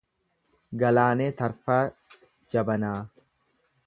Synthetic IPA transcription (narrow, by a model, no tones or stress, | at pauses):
ɡɐlaːneːt̪ɐɾfaː | d͡ʒɐbɐnaː